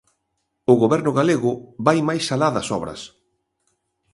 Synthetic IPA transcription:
ʊɣoβɛɾnʊɣaleɣʊβajmajsalaðɐsɔ̰βɾɐ̰s

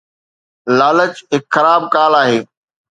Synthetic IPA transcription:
laːlət͡ɕɪkxɐɾaːb̚kaːlaːɦeː

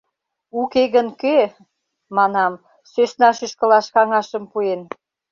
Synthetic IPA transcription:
ukeɣənkø | mɑnɑm | søsnɑʃyʃkə̆lɑʃkɑŋɑʃə̆mpuen

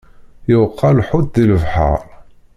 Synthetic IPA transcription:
jəwqʰːɑlħʊt̪̚ðiləvħə̰ɾˤ

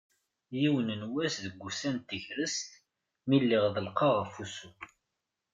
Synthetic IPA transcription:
jiwənənwæsðəɡʷːusænt̪ːəçɾəst̪ | milːiʁðəlqɑʁəfusu

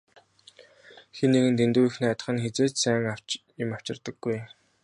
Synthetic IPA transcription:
xeneɣɘ̆nt̪ent̪uĭxnæːt̪̆χə̆nxet͡seːt͡ɕsæːŋaw̥ | ʊmaw̥t͡ɕɪ̆rt̪ə̆ɡ̥ːuj

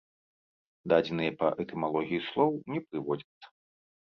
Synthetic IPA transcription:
d̪ad͡zʲɛnɨjɐpɐ̰ʔɛt̪ʰɛmalˠɔɣʲijislˠɔwnʲɛpɾɨvɔd͡zʲɐt̪sːɐ̥

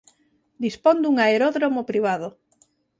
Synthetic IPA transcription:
d̪ispond̪uŋaeɾoðɾomopɾiβ̞að̞o

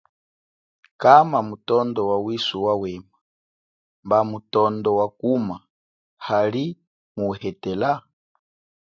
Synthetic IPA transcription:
kamamutɔndɔwawisuwawɛma | mbamutɔndɔwakuma | hali | muhɛtɛla

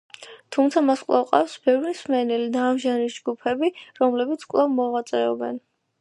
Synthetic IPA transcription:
t̪ʰumt̪sʰamaskʼlˠavqʼa̰fsbɛvɾismɛnɛlid̪aːmʒanisd͡ʒɡupʰɛbiɾɔmlɛbit̪sʰkʼlˠavmɔʁat̪sʼɛɔbɛ̰n

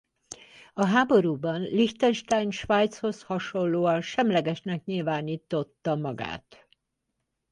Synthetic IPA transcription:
ɒɦaːbo̞ɾuːbɒnliht̪ɛnʃt̪aːɲʃʋaːjt̪sho̞shɒʃo̞nloːɒnʃɛmlɛɡɛʃnɛkɲilvaːniːt̪o̞t̪ːɒmɒɡa̰ːt̪

